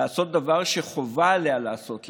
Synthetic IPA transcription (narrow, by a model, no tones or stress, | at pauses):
aːso̞t̪̚d̪avaʁʃeχovalealaːso̞tl